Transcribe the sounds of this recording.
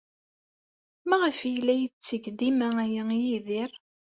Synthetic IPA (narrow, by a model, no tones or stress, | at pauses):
mæʁəfjlːæjət͡sːəɡd̪imææjəjiðiɾ